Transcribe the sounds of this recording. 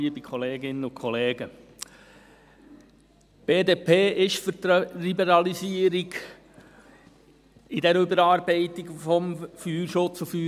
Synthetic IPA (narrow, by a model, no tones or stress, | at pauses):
iəbikʰχɔleːɡɪnəʊkʰχɔleːɡə | b̥eːdeːpʰeːʔɪʃfyɾt̪libɛɾɑlisiəɾiɡ | ɪdɛɾʏbəɾɑːɾbɛɪt̪ɪɡfɔmfyːɾʃʊt͡sufyː